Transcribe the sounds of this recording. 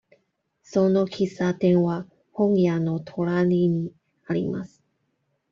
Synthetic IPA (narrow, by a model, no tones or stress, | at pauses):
sono̞kʲisat̪ẽ̞ɰ̃βa | hõŋijano̞t̪ʰo̞ɾaɲʲiɲ̟i | aɾʲḭma̰sɨ̥